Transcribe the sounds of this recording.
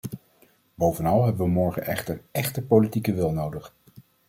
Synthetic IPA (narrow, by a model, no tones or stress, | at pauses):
bowvənɑlˠɦɛbəʋəmɔɹχə̰nʔɛ̰χtəɹɛχtəpolitikəʋɪlˠnowdəχ